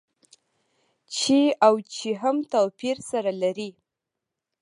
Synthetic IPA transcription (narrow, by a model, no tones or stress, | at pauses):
t͡ʃeawt͡ʃeɦamt̪apiɾsaɾalaɾi